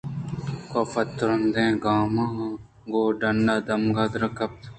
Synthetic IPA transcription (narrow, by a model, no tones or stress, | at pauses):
kofɐt̪ːɾɐnd̪ẽːɡaːmã | ɡoːɖɐnːad̪ɐmɡaːd̪ɾɐkɐp̚t̪